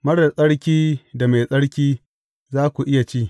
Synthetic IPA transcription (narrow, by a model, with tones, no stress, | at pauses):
mɐ˦ɽda˨sʼɐ˦ɽkʲiː˦da˨ma˨jsʼɐ˦ɽkʲiː˦ | zaː˦kʷu˨ʔɪ˦ja˨t͡ʃiː˦˨